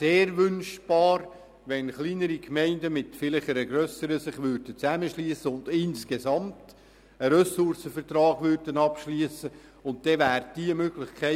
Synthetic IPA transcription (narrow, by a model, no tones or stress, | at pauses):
seːɾʋʏnʃb̥ɑːɾ | ʋɛnχliːnəɾikʰmɛɪndəmɪtfɪlɪχəɾəɡɾœsəɾəsɪχʋʏɾd̥ət͡sæməʃliːsəʊndɪnskesɑmt | əɾøsʊrsəfərt̪ɾɑːɡ̥ʋʏɾd̥ənɑpʃliːəsə | ʊnt̚d̥ɛvæːɾd̥iəmøːɡ̥lɪχkʰæɪ